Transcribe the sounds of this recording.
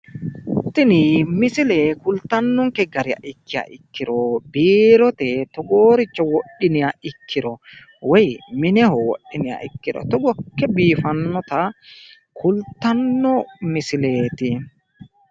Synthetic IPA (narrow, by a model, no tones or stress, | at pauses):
t̪ːɪnɪmɪsɪlɛkʊlt̪ɐnːɔŋkɛɡɐɾɪa̰ʔɪkːɪja̰ʔɪkːɪɾɔbiːɾɔt̪ɛt̪ɔɡoːɾɪt͡ʃːɔwɔɗːɪnɪaɪkʰːɪɾɔ | wɛjmɪnɛhɔwɔ̰ɗːɪnɪja̰ʔɪkːɪɾɔ̰t̪ɔɡɔkːɛbiːfɐnːɔt̪ɐ | kʰʊlt̪ːɐnːɔmɪsɪleːt̪ɪ